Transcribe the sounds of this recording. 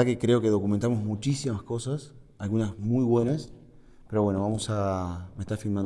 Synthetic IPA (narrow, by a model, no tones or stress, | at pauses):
akekɾe̞o̞ke̞ðo̞kument̪amo̞zmut͡ʃisimasko̞sas | alɣunasmujβwe̞nas | peɾo̞βwe̞noβamo̞sameht̪aɾfilmãn